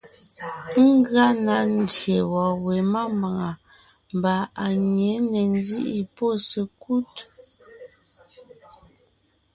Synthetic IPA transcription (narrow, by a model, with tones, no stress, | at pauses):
ŋ̩˦ɣa˦na˨˦n̩˦dje˨wɔ˨we˨ma˦mba˨ŋa˨ | m˨ba˨a˨ɲe˨˦nɛ˨n˦di˦ʔi˦po˦sə˨ku˦t